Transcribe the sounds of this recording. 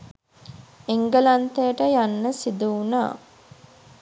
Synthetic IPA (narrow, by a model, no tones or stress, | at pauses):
eŋɡəlant̪ejəʈəjanːəsid̪uuna̰ː